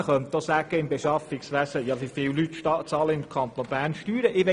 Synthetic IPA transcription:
əχœnt̪̚d̥̪ɔsæɡ̥əɪmbeʃɑfɪksʋæsəjɑʋifɪwlyt̪ːʃɑt͡sɑːləɪmkʰɑnt̪onbæːrnʃtyːɾəʔɪʋe

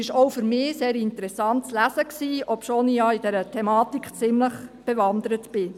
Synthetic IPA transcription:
ɪʃɔwfʏɾmɪːseːɾɪntəɾɛsɑnt̚t͡slæzəksiːɔpʃoːnijɑːid̥ɛɾətʰɛmɑːtikχt͡sɪmləχb̥ɛʋɑnd̪əɾətb̥ɪ

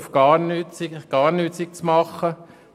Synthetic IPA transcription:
fɡ̥ɑːɾnyːtt͡siɡ̥ɑːɾnyːtt͡sik̚t͡smɑχːə

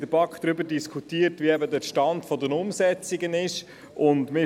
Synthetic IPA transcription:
d̥əɾb̥ɑkχd̪̥ɾʏbəɾdiskʰutiːəɾtʋiɛbədəʃtɑndfɔdənʊmsɛt͡siɡənɪʃ | ʔʊndmɪ

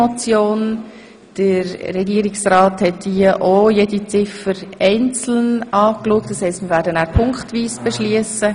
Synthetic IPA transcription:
ot͡sjoːn | d̥əɾːɛɡiːɾɪksrɑːthɛtdiəʔojedit͡sɪfəɾɛɪnt͡sl̩nɑːkluək̚td̥ɑshɛɪstmiːɾʋæːɾdənæːɾpʰʊŋktʋiːsb̥ɛʃliəsə

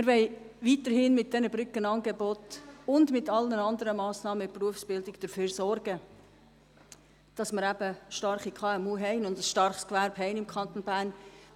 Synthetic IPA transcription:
mɪɾʋɛɪʋiːtəɾhɪnmɪt̚d̥ɛnəbɾʏkənɑnɡebɔtʊndmɪtɑlnənɑndəɾəmɑːsnɑːməɪpruəfsb̥ɪldɪɡd̥əfyːɾsɔɾɡ̥ə | d̥ɑsmɪɾæbəʃtɑrχikʰɑːɛmuːɦɛɪnʊndəsʃtɑɾχskvæɾbɦɛɪnɪmkʰɑnt̪onbæːɾn

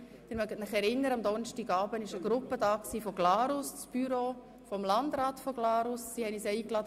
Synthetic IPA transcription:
d̥ɪɾmœɡətnɪχɛɾɪnːəɾəɑmd̪ɔnʃtiːɡɑːbənɪʃəɡ̥ɾʊpədɑːksiːfɔɡ̥lɑːɾʊst͡sb̥yɾo | fɔmlɑndɾɑːtfɔɡ̥lɑːɾʊsːihɛnisɛiːklɑdə

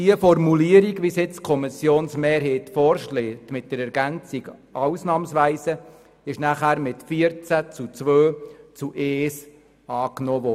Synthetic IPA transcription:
diəfɔɾmuliəɾiɡʋisjɪt͡skʰɔmɪsjoːnsmeːɾɦeːtfɔɾʃleːtmɪt̚d̥əɾɛɾɡænt͡siɡʔɑwsnɑːmsʋæɪsə | ɪʃnæχæːɾmɪtfiəɾt͡sæt͡sut͡sʋøːt͡suʔeːs | ɑːknɔːʋɔ

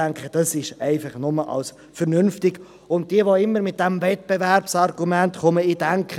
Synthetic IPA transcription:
æŋkχəd̥ɑsɪʃɛɪfɑχnʊməʔɑ̰ls | fəɾnʏnftɪɡ | ʊnt̚d̥iəʋoɪmːəɾmɪt̚d̥ɛmvɛt̚b̥evɛrpsɑrɡ̥umæntχɔməidæŋkχə

